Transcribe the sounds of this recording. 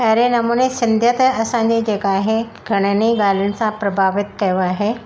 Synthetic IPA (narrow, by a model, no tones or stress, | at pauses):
ɐɾenɐmuːnesɪ̃nd̪ʱjət̪ɐsãɲd͡ʑed͡ʑeːkaːɦe | ɡʱɐɽ̃əniɡaːl̤jʊnɪ̆sãpɾɐbʱaːʋɪt̪kɐjoaːɦe